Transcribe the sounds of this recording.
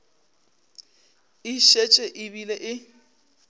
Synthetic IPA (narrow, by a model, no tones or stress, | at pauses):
ɪʃet͡ʃʼeʔɪbilɛʔɪ